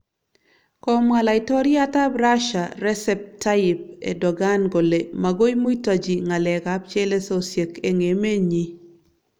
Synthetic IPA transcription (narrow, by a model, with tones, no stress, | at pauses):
kɔ˦ma˨la˨ɪ˨tɔ˦ɾi˦a˦ta˦bɾa˦ʃa˨ɾɛ˦sɛ˦p̚ta˦ɪp̚ḛ˨dɔ˨ɡa˦nɡo˨le˨ma˨ɡo˦i˦mo˦i˦ta˨d͡ʒi˨ŋa˨lɛ˨ɡa˦b̚t͡ʃe˦le˦so˦sje˨ke˨ŋe˨me˦ɲi˦